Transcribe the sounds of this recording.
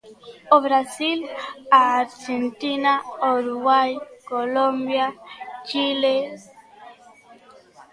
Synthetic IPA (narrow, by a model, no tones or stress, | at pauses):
obɾasilaɾd͡ʒɛ̃ntinaɔɾuwajkolõmbjat͡ʃile